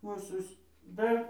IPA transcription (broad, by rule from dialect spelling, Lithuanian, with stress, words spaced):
ˈuːsʊs ˈdɐr